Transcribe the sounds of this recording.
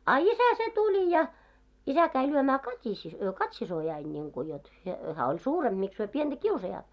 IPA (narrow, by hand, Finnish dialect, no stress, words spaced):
ɑ isæ se tulʲi jɑ isæ kæi lyømæː kɑtʲisi kɑtʲsisojɑin nʲiŋku jot he hæː olʲ suːremb̥ miks hyø piend̥æ kiusɑjɑːt